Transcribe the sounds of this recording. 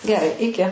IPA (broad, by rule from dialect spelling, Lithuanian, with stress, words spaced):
ɡʲɛˈrɐɪ ɪˈkʲɪ